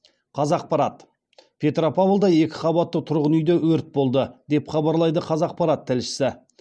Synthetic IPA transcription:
qʰɑzɑq̚pɑɾɑt̪ | pʲʰe̞t̪ɾopavlˠd̪ɑje̞kʲɪ̥qɑbɑt̪ːət̪ʰʊɾʁənʏjd̪ewɵɾt̪̚bo̞lˠd̪əd̪̥e̞pχɑbɑɾlˠɑjd̪əqʰɑzɑq̚pɑɾɑt̪ʰːɪlʃɪ̥sɪ

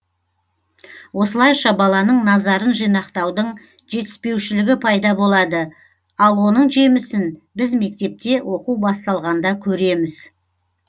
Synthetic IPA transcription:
wo̞səlˠɑjʃɑbɑlˠɑnəɴnɑzɑɾənʒijnɑqt̪ɑwd̪əɴ | ʒe̞t̪ɪ̥spe̞wʃɪlɪɡʲɪpʰɑjd̪ɑbo̞lˠɑd̪ə | ɑlˠwo̞nəɴʒe̞mɪsɪnbɪzme̞k̚t̪e̞p̚t̪e̞wʔo̞quwbɑst̪ɑlˠʁɑnd̪ɑkʲʰɵɾe̞mɪz̥

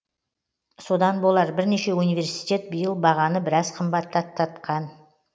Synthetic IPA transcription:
so̞d̪ɑnbo̞lˠɑɾbɪɾneʃe̞unijvʲe̞ɾsijt̪e̞t̪̚bijəlˠbɑʁɑnəbɪɾɑz̥qʰəmbɑt̪ʰːɑt̪ʰːɑt̪qɑn

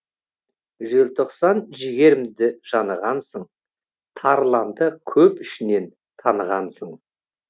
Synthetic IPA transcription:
ʒɪlt̪ʰo̞qsɑnʒɪɡʲe̞ɾɪmd̪ɪʒ̥ɑnəʁɑnsəɴ | t̪ʰɑɾlˠɑnd̪əkʲʰɵpɪʃɪne̞n | t̪ʰɑnəʁɑnsəɴ

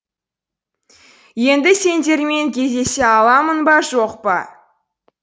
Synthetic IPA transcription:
je̞nd̪ɪse̞nd̪e̞ɾme̞ŋkʲʰe̞zd̪e̞seɑlˠɑmənbɑʒoqpə̰

